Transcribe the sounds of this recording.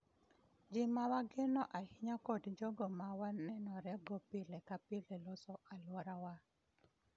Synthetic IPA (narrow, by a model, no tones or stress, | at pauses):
d͡ʒɪmawaɡenɔʔahɪɲakɔdd͡ʒɔɡɔmawanɛnɔɾɛɡɔpɪlekapɪlelɔsɔalwɔɾawa